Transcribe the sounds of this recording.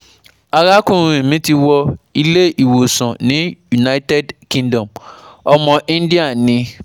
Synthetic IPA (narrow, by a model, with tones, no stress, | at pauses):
a˨ɣa˦kʊ̃˦˨mĩ˦ti˦wɔ˦i˦le˦ʔi˨wo˨sɔ̃˨nɪ̃˦ju˨na˦i˦tɛ˦dkĩ˦ndɔ̃˨mɔ˨mɔ̃˨ʔi˦n˦di˦a˨˦nɪ̃˦